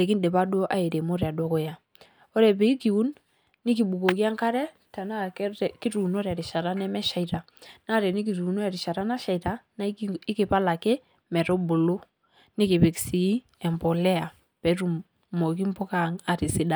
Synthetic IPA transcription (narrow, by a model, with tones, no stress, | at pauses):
ɾe˨ki˦ndɛ˨ba˦do˦ʔa̰˦e˨ɾe˨mo˦ɾɛ˨a˨dɔ˦kɔ˦ja˨ | o˦ɾɛ˨pɛ˨i˦ki˨u˦nː | ɪ˦ki˨bu˨ko˨ki˦a˦ŋka˦ɾɛ˦ta˨na˦kki˦ɾu˨no˦ɾɛ˨ɾɪ˨ʃa˨ɾa˦nɛ˦mɛ˦ʃa˨ita˨ | na˦ɾɛ˨ni˦k̬i˨ɾu˨no˦ɛ˨ɾɪ˨ʃa˨ɾa˦na˦ʃa˨i˨ta˦na˦ɪ˦kɪ˨pa˦la˨ke˦ | mɛ˨ɾo˦bo˨lo˦ | nɪ˦ki˨pi˨ksi˨i˦ | ɛ˨mbɔ˨lɛ˦a˨ | pɛ˨ɾu˨ | mo˨ki˦mpɔ˦ka˦ŋa˨ɾi˨si˦da˨